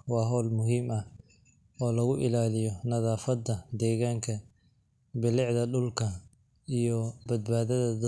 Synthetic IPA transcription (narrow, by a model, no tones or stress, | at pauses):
wɑːɦɔːlmʊɦiːmɐ | ɔːlɐɣʊʔɪlaːlɪjɔnɐðaːfɐd̪ɐd̪ɛːɣaːŋkʰɐ | bɪlɪʕðɐɖʊlkʰɐ | ijɔbɐd̪̚baːðɐðɐ